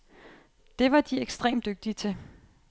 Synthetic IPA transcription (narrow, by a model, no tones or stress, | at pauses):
d̥e̝ʋɑ̈d̥ieɡ̥sd̥ʁḛːmd̥øɡ̥̚d̥iət͡sʰe̝